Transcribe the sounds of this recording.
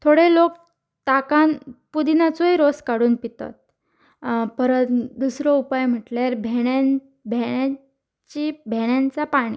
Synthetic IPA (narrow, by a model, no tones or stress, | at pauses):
t̪ʰoɽelok̚ | t̪akanpud̪inat͡soiɾoskaɽuːnpit̪a̰t̪̚ | pəɾət̪d̪usɾɔupajm̤əʈlaɾbʱeɽa | bʱejã | t͡ɕibʱeɽjãnt͡sapaɽ̃ḭ